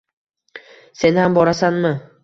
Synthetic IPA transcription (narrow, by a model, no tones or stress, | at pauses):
se̞nhambɒɾasanmɪ